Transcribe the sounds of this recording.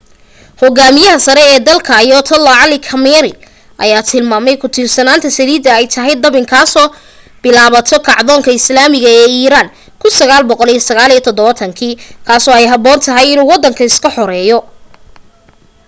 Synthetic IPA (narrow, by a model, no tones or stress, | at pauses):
hɔɣaːmɪjɐɦɐsɐɾɛɛːd̪ɐlkʰɐːjɔːt̪ʰɐlɐʕɑlɪkʰɐmɛɛɾɪ | ʔɐ̰jaːt̪ʰɪlmaːmɛjkʰʊt̪ʰiːrsɐnaːnt̪ʰɐsɐliːd̪ɐɛjt̪ʰɐɦɛjd̪ɐβɪŋkʰaːsɔː | b̥ɪlaːβɐt̪ʰɔkʰɑʕðɔːŋkʰɐɪslaːmɪɣɐɛːiːɾaːn | kʰʊnsɐɣaːlbɔqɔlijɔsɐɣaːliːɐt̪ʰɔd̪ɔβɐt̪ʰɐŋkʰiːkʰaːsɔːɛjɦɐbɔːnt̪ʰɐɦɛjɪnuːwɑd̪ɐŋkʰɐɪskʰɐħɔɾɛːjɔ